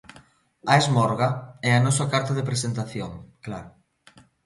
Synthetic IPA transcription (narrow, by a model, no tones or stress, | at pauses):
ɐezmɔɾɣaɛɐnɔs̬akaɾt̪ɐðepɾesent̪aθjoŋklaɾʊ